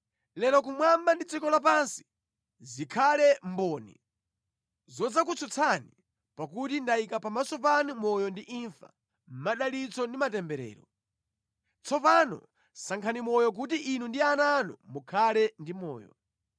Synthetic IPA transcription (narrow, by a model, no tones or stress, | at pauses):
lɛlɔkumwambandit͡sikɔlap̬ansi̥ | zikʰalɛmbɔːnḭ | zɔd͡zak̬ut͡sʰɔt͡sʰani | pakutindaikapamasɔp̬anumɔjɔndiʔiɱfḁ̰ | m̩maɗalit͡sɔndimatɛmbɛɾɛ̰ːɾɔ | t͡sʰɔpanɔ̰ | saŋkʰanimɔjɔk̬ut̬iʔinundiananɔmukʰalɛndimɔ̰ːjɔ̰